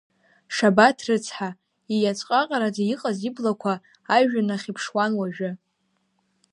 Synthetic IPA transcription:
ʂabatʰrɨt͡sʰħa | ijat͡sʼqʼaqʼaɾad͡zaiqʼaziblakʷʰaː | ʒᶣanaχʲipʰʂwanwaʒᶣɪ

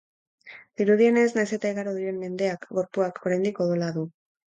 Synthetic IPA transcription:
d̪̥iɾuðie̞ne̞snajse̞t̪aiɣaɾoðiɾe̞mme̞nd̪e̞akɡo̞ɾpuakʰoɾajnd̪iko̞ðolaðu

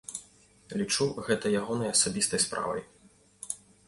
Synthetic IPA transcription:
lʲit͡ʂuɣɛt̪ɐjaɣɔnɐjɐsabʲist̪ɐjspɾa̰vɐ̰j

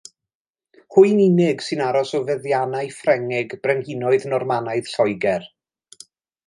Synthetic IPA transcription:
hʊɨninɪɡsɨnaɾɔsɔvəðjanajfrɛŋɪɡb̥rɛŋɡɪnɔɨðnɔrmanaɨð̥ɬɔjɡɛr

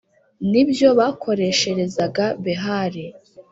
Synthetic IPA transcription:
nibjo̞βaːkʰo̞ɾe̞ʃe̞ɾe̞zaɡaβeɦaɾe

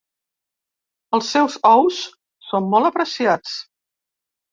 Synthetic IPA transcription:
əlˠsːɛwzɔws | somːɔlˠəpɾəsiat͡s

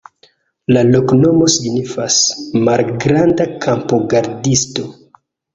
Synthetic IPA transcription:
lalo̞kno̞mo̞siɡnifasmalɡɾandakʰampoɡaɾdisto̞

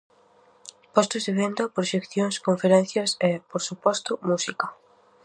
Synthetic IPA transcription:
pɔst̪ʊzðeβend̪ɐpɾoʃekθjoŋskoɱfeɾɛnθjɐsepoɾsupɔst̪ʊmusikɐ

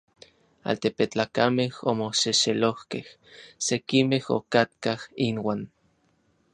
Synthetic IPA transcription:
a̰lt̪epet͡ɬaːkamehomoseʃelohkeh | sekimeho̰kat̪kahinwaːn

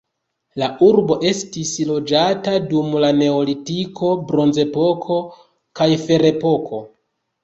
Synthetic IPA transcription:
laʔuɾbo̞ʔe̞stislo̞d͡ʒatadumlane̞olitiko̞bɾo̞nze̞po̞kʰo̞ | kajfe̞ɾe̞po̞kʰo̞

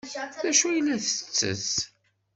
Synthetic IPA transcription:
ðæʃujəlːæθə̥t͡sːə̰s

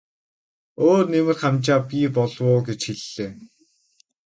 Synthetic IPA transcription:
oːrnemɘ̆rχamt͡ɕaːpʲiːpɔɮwʊːɡet͡ɕxiɮːeː

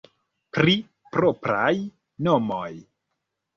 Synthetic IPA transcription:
pɾi | pɾopɾaj | nomoj

